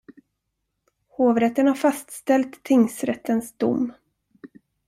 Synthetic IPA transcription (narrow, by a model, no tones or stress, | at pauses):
hoːvɾɛt̪ːənhaɾfast̪st̪ɛlt̪ʰːɪŋsɾɛt̪ːənsd̪ʊ̰mː